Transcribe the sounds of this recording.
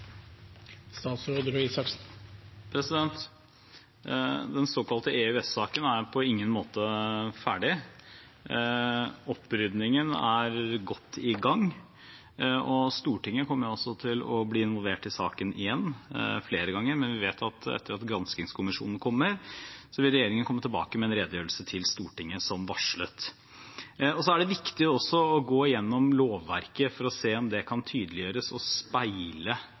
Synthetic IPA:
st̪ɑːt̪sɾoːd̪əɾisɑks | pʰɾɛsɪd̪ɛnt̪ | d̪ɛnsoːkɑlt̪əeʉɛsːɑːkənæɾpʰɔɪŋːənmoːt̪əfæːɖɪ | ɔpːɾʏd̪nɪŋənæɾɡɔt̪ːɪɡɑŋː | ɔst̪uːʈɪŋːəkʰɔmːəɾʊɔsːɔt̪ʰɪlɔbliːɪnʋɔlʋeːʈɪsɑ̰ːkənɪ̰jɛnːfleːɾəɡɑŋːəɾmɛnʋɪʋeːt̪ɑt̪ɛ̰t̪ːəɾɑt̪ɡɾɑnskɪŋskʰʊmɪʂṵːnn̩kʰɔmːəɾsɔʋɪlɾɛjeːɾɪŋənkʰɔmːət̪ʰɪlbɑ̰ːkəmɛɛnɾeːd̪jøːɾəlsət̪ʰɪlst̪uːʈɪŋːəsɔmʋɑʂɭət̪ | ɔsɔæɖɛʋɪkt̪ɪɔsːɔɔɡoːɪjɛnːɔmloːʋːæɾkəfɔɾɔseːɔmd̪ɛkʰɑnt̪ʰyːd̪əlɪjøːɾəsɔspæɪlə

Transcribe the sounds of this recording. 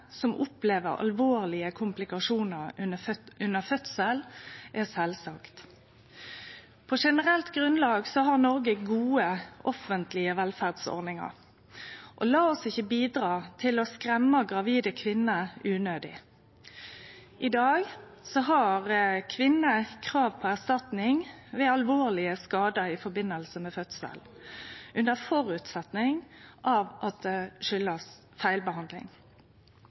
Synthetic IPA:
sɔmʔʊpleːʋə̰ɾɑ̰lʋoːʁlɪəkʰʊmplɪkɑʂuːnəʁ | ʉnːəfœt̪səlʔɛsɛlsɑkt̪ | pʰɔʂɛnəʁɛlt̪ɡʁʉnlɑːɡsɔɦɑʁnɔʁɡəɡuːəʔɔfənt̪lɪəʋɛlfæʁd̪sɔ̰ʁnɪŋɑ̰ʁ | ʔɔlɑːɔsɪçːəbiːd̪ʁɑːt̪ʰɪlɔskʁɛmːɑɡʁɑʋiːd̪əkʰʋɪnːəʉːnøːd̪ɪ̰ | ʔɪd̪ɑːɡ | sɔɦɑʁkʰʋɪnːəkʰʁɑːʋpʰɔæʁst̪ɑt̪nɪŋʋɛɑlʋoːʁlɪəskɑːd̪əɪfɔbɪnːəlsəmɛfœt̪sə̰l | ʔʉnd̪əfɔʁʉt̪sɛt̪nɪŋʔɑʋʔɑt̪̚d̪ɛʃʏlːəs | fæɪlbəhɑnd̪lɪ̰ŋ

